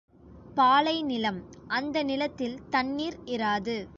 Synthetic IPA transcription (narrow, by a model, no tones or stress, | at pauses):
paːlɐɪnɪlɐmʔɐnd̪ɐnɪlɐt̪ːɪlt̪ɐnːiːɾɪɾaːðɯ